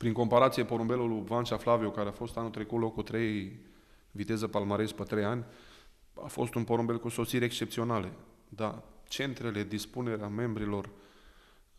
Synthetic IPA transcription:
pɾiŋko̞mpaɾat̪sije̞po̞ɾombe̞luluvanʃaflaviukaɾeafo̞st̪anut̪ɾe̞kut̪lo̞kut̪ɾe̞j | vit̪e̞zəpalmaɾespət̪ɾejanʲ | a̰fo̞̰st̪unpo̞ɾombe̞lkuso̞siɾʲekst͡ʃe̞pt̪sio̞nale | d̪at͡ʃe̞nt̪ɾe̞le̞d̪ispune̞ɾeame̞mbɾilo̞r

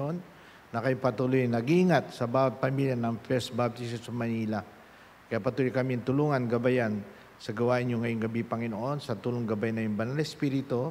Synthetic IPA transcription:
onː | ɐkɐjopɐt̪ulujŋnɐɡiiŋat̪̚sɐbawɐt̪̚pɐmiljanɐŋfɛɾsbab̚t̪is̬ɛsɐmɐniːla | kɐjapɐt̪ulojkɐmiɐnt̪ʊluːŋɐnɡɐbajan | sɐɡɐwaːʔɪnjʊŋːɐjoŋɡɐbipɐŋɪnoʔo̞nsɐt̪uːloŋɡɐbajnɐjʊŋbɐnalɛspiːɾɪt̪o

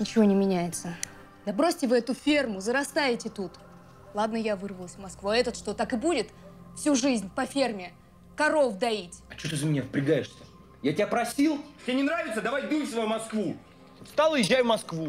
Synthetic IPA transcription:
nʲɪt͡ɕɪvo̞nʲɪmʲɪnʲæjɪt̪sə | d̪ɐbɾosʲtʲɪvɨɛt̪ʊfʲe̞rmʊzəɾɐst̪ajɪtʲɪt̪ut̪ | lˠad̪nəjavɨrvəlˠəsʲvmɐskvuɐɛt̪ət̪ʂt̪o̞t̪akɨbudʲɪt̪fsʲuʐɨzʲnʲpɐfʲermʲɪ | kɐɾo̞fd̪ɐitʲɐt͡ɕot̪ɨzəmʲɪnʲavəpɾʲɪɡajɪʂsʲə | jatʲɪapɾɐsʲilˠtʲɪenʲɪnɾavʲɪt̪səd̪ɐvajbʲisvɐjumɐskvu | st̪alˠəjɪʑːajvmɐskvu

